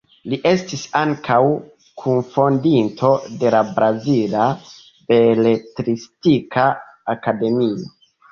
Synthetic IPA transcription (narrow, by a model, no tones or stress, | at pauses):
liʔe̞stisaŋkʰaw | kʰunfo̞ndintʰo̞de̞labɾazila | be̞letɾistikʰaː | kade̞mio̞